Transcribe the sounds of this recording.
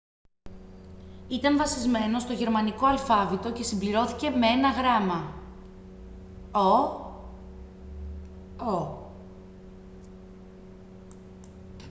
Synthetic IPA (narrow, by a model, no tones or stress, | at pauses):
it̪ɐɱvɐsizme̞no̞st̪oʝe̞ɾmɐniko̞ɐlfɐvit̪o̞ce̞simbliɾo̞θice̞mee̞nɐɣɾɐmɐ | o | o